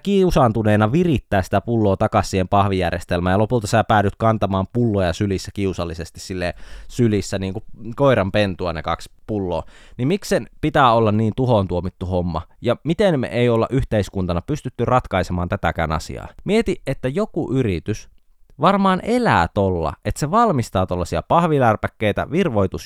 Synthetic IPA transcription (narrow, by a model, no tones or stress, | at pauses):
kiusɑnt̪uneːnɑʋirit̪ːæːssit̪æpulːoːt̪ɑkɑsːiːempɑhʋijærjest̪elmæːjɑlopult̪ɑsæpæːɾyt̪kɑnt̪ɑmɑːmpulːojɑsylisːækiusɑlːisest̪issilːesylisːæniːŋkukoiɾɑmpent̪uɑnekɑkspulːo̰ːnimiksenpit̪æːolːɑnniːnt̪uhont̪uomit̪ːuhomːɑ̰jɑmit̪enmḛʔeiolːɑ̰ʔyht̪eiskunt̪ɑnɑpyst̪yt̪ːyrɑt̪kɑisemɑːnt̪æt̪æ̰kæ̰ːnɑ̰sḭɑ̰ːmiet̪iʔet̪ːæjokuʔyrit̪ys | ʋɑrmɑːnʔelæːt̪olːɑ̰ʔet̪seʋɑlmist̪ɑːt̪olːɑsiɑ̰pɑhʋilærpækːeit̪æ̰ʋirʋoit̪us